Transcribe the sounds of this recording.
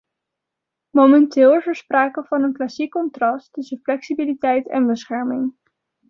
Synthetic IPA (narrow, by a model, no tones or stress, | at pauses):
momɛntɪːlˠvəɹspraːkəvɑnənklɑsikːɔntrɑstɵsənflɛksibilitɛjtɛ̰nbəsχɛɹmɪŋ